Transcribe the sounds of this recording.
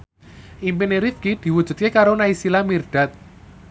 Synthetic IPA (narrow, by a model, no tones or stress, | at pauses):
ʔimpineɾifkid̪̥i̤wud̥ʒ̥ṳt̪̚kekaɾonaisilamirɖ̪̥a̤t̪̚